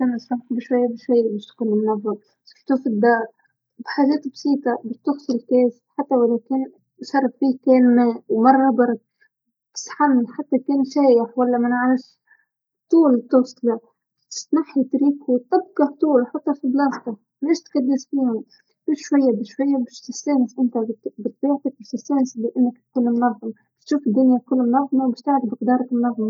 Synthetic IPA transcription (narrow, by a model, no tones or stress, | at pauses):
sansˤɑmħbɪʃwajːabɪʃwajːabɪʃt̪kuːnɪmnavːa | sɪ̥ħt̪ufid̪ːɑːɾ | bħaːʒɛːt̪bsiːt̪abɪʃt̪ʊɣsˤɪlkeːsħat̪ːawalːækeːn | ʃɑɾˤːɑfbiːkɛːnmɛːwmɑrˤːɑbɑɾˤɑk̚ | t̪ɪ̥sħamħat̪ːakɛːnʃæːjɪħwalːamɪnʕɾɪʃ | t̪ˤuːlt̪ːʊːsˤlɑ̥ | snaħit̪ɾiːkut̪ɑb̚ɡɑht̪ˤuːlwħɑt̪ˤːɑfiblɑst̪ɑ | mɪʃt̪kad̪ːɪsfiːhʊm | b̥ɪʃwajːabɪʃwajːabɪʃt̪ɪseːnɪsʔɪnt̪abɪt̪̚biːʕt̪ak̚bɪʃt̪ɪsːeːnslɪʔanːakt̪kuːnmnɑðˤːɑmbɪʃt̪ʃuːfɪd̪ːʊnjakʊlːmnɑðˤːmɑwbɪʃt̪aʕd̪bɪqd̪ɑːɾˤɑkmnɑðˤːɑmɑ